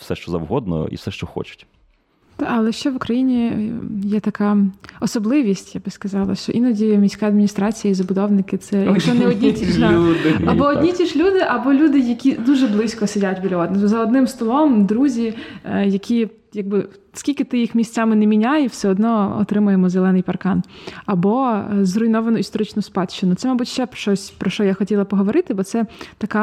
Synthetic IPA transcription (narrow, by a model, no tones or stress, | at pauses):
fsɛʃt͡ʃɔzɐ̰wɦɔd̪nɔ̰ḭfsɛʃt͡ʃɔxɔ̰t͡ʃʊ̥tʲ | d̪̥aɐlˠɛʃt͡ʃɛʋʊkɾɐjinʲijɛt̪ɐkɑɔsɔblˠɪʋʲisʲtʲjabɪskɐzɑlˠɐ̰ʃʲɔʔinɔdʲimʲisʲkaɐd̪mʲnʲist̪ɾɑt͡sʲijɐizɐbʊd̪ɔwnɪkɪt̪sɛjɐkʃɔnɛɔdʲnʲid̪ad̪ɐbɔɔdʲnʲitʲiʃlʲud̪ɪʔɐbɔlʲud̪ɪjɐkʲid̪uʒɛblˠɪsʲkɔsɪdʲatʲbʲilʲɔd̪nzɐɔd̪nɪmst̪ɔlˠɔmd̪ɾuzʲijɐkʲʰi | jɐɡ̚bɪ | skʲilʲkɪt̪ɪjixmʲisʲt͡sʲamɪnɛmʲinʲajɪwsɛɔd̪nɔɔ̰t̪ɾɪmʊjemɔzelˠɛnɪjpɐrkɑnɐbɔzrʊjnɔʋɐnʊist̪ɔɾɪt͡ʃnʊspɑt͡ʃːɪnʊt̪sɛmɐbutʲʃt͡ʃɛpʃɔsʲpɾɔʃɔjaxɔtʲilˠɐpɔɦɔʋɔɾɪt̪ɪbɔt̪sɛt̪ɐkɑ